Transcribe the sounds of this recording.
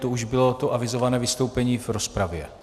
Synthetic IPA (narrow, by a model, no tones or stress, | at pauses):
t̪ouʒbɪlo̞t̪oʔavɪzo̞vanɛːvɪst̪owpɛɲiːvɾo̞spɾavjɛ̰